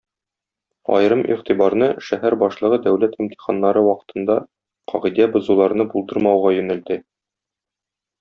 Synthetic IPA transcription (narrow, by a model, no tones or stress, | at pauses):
ɒ̰jɾɤmʔḭʁt̪ibɑɾnɤʃæɦæɾbɒʃlˠɤ̆ʁɤd̪æwlæt̪imt̪i̥χɑnːɑɾɤwɒqɤ̥̆t̪ʰɤ̆nd̪ɑ | qʰɒʁid̪æbŏzulˠɑɾnɤbulˠd̪ɤɾmɑwʁɑjɵ̆næld̪ɘ